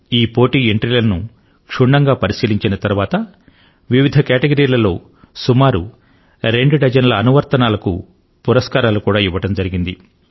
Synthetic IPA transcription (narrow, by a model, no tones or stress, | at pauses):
iːpo̞ːʈiːeɳʈɾilɐnu | kʂuɳːɐŋɡaːpɐɾisiːliɲt͡ʃinɐt̪ɐɾuʋaːt̪ɐ | ʋiʋid̪ʱɐkaːʈeɡɐɾiːlɐlo̞ː | sumaːɾṵ | ɾe̞ɳɖɖɐd͡ʒɐnlɐːnuʋɐɾt̪ɐnaːlɐkṵ | puɾɐskaːɾaːlukuːɽaːiʋːɐʈɐmd͡ʒɐɾiɡind̪ḭ